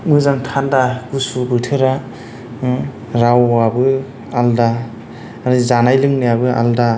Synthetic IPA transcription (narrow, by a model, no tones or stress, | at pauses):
mɯzaŋtʰandaɡusubɯtʰɯɾa | ɾawabɯ | alda | aɾɯzanajlɯŋnɯjabɯa̰lda